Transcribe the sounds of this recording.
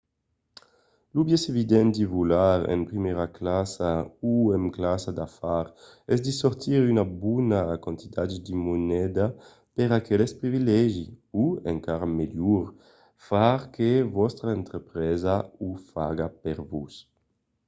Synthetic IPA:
lubjɛsevid̪ɛnd̪ivulaɾɛ̰mpɾimɛɾaklasauemklasad̪afaɾ | ɛzd̪isoɾt̪iɾynabunakãnt̪it̪add̪imunɛd̪a | peɾakʰɛlespɾivilɛʒiuḛŋkaɾameljuɾ | faɾkevɔst̪ɾaent̪ɾepɾɛzaufaɡapeɾvus

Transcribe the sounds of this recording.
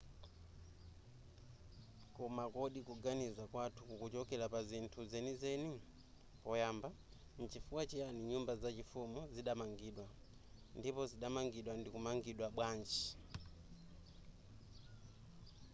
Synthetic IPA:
kɔmakɔɗikuɡanizakwatʰukukut͡ʃɔkɛlapazintʰuzɛnizɛni | pɔjaːmba | n̩t͡ʃifuwat͡ʃɛaniɲumbazat͡ʃifumuziɗamaŋɡiːɗwa | ndipɔziɗamaŋɡiɗwandikumaŋɡiɗwaɓwaːnd͡ʒi̥

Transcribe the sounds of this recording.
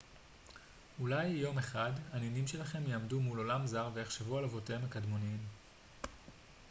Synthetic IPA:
ulajːo̞me̞χadaninimʃe̞laχe̞mjaːmdumulo̞lamzaʁvejeχʃevualavo̞teemakadmo̞niim

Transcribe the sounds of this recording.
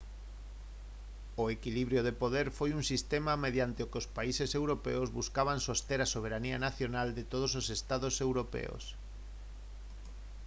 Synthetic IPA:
oekiliβɾjoðepoðeɾfojuŋsist̪emameð̞jant̪ɪokɪospaisesewɾopḛozβuskaβ̞aŋsost̪eɾasoβ̞eɾanianaθjonald̪et̪oð̞ososest̪aðosewɾopḛo̰s

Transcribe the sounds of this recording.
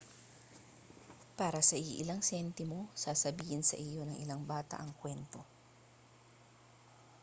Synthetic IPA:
paːɾɐsɐʔɪʔɪlaŋsɛnt̪ɪmo̞saːsɐbiːhɪnsɐ̰ʔɪjo̞nɐŋʔɪlaŋbaːt̪ɐ̰ʔɐŋkwɛnt̪o̞

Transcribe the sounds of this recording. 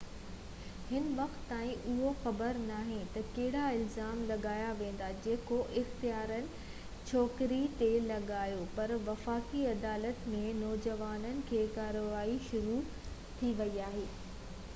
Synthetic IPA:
hɪnʋɐxt̪ːaːĩʔʊɦoxɐbəɾnaːɦẽt̪ɐkɐɦɪɽaɪlzaːmlɐɠaːjaʋẽːn̆d̪ad͡ʑeːkoʔɪxt̪ijaːɾənɪ̆ | t͡ɕʰɔːkɾit̪elɐɠaːjopɐɾʋɐfaːkiɐd̪aːlət̪mẽnɔːd͡ʑɐʋaːnənɪ̆kʰeːkaːɾoʋaːiʃʊɾu | t̪ʰiʋɐiaːɦeː

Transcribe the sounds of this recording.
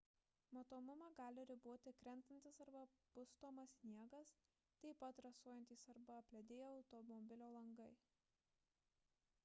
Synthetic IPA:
mɐt̪oːmʊmɐɡɑːlʲɪɾʲɪboɔt̪ʲɪkɾʲɛnˑt̪ɐnʲt̪ʲɪsɐɾbɐpʊst̪oːmɐsʲnʲiɛɡɐs | t̪ɐɪpɐt̪ɾɐsuɔjɛnt̪ʲiːsɐɾbɐpʲlʲɛd̪ʲeːjoɐʊt̪ɔmɔbʲɪlʲoːlˠɐŋɡɐɪ

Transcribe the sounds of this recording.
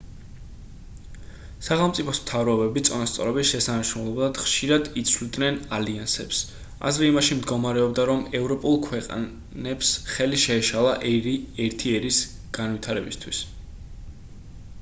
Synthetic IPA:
saχɛlˠmt̪sʼipʰɔsmt̪ʰavɾɔɔbɛbit̪sʼɔnast̪sʼɔ̰ɾɔbisʃɛsanaʃɾumlˠɔblˠad̪̥χʃiɾad̪it̪sʰvlid̪nɛnaliansɛps | a̰zɾɛimaʃimd̪ɡɔmaɾɛɔbd̪aɾɔmɛvɾɔpʼulˠkʰwɛqʼ | nɛpsχɛliʃɛɛʃalˠaʔɛɾt̪ʰiɛɾis | ɡ̥anwit̪ʰaɾɛbist̪ʰwis

